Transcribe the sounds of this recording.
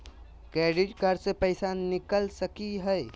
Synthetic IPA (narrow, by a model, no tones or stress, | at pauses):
kɾeːɖɪʈɡʱəɾsepəɪsanɪkəlsəkiɦɛ